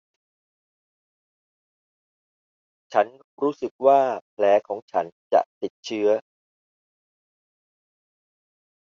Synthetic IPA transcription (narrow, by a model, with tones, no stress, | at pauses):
t͡ɕʰa˦˥n | ɾuː˦˥sɯ˨˩k̚waː˥˩pʰlɛː˩˦˥kʰɔː˩˦ŋt͡ɕʰa˦˥nt͡ɕa̰˨˩ʔt̪i˨˩t̪̚t͡ɕʰɯ˦˥ɐ